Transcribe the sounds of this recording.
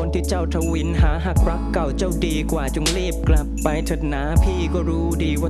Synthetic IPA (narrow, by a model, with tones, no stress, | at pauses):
o˧˦nt̪ʰiː˥˩t͡ɕa˥˩wt̪ʰa˧wi˧nɦaː˩˦ɦa˨˩k̚ɾa˦˥kːa˨˩wt͡ɕa˥˩wdiː˧kwaː˨˩t͡ɕu˧ŋliː˥˩p̚kla˨˩pːa˧jt̪ʰɤ˨˩t̪̚naː˩˦pʰiː˥˩kɔː˥˩ɾuː˦diː˧waː˥˩